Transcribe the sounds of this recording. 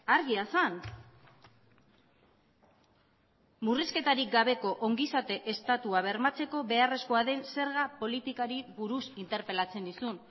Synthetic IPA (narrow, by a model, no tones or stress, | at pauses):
aɾɣiasan | muriske̞t̪aɾik̚ɡaβe̞ko̞ʔoŋɡisat̪e̞ʔest̪at̪uaβ̞e̞ɾmat͡se̞ko̞βe̞are̞sko̞aðe̞nse̞ɾɣ̞apo̞lit̪ikaɾiβuɾusint̪e̞ɾpe̞lat͡se̞nd̪isun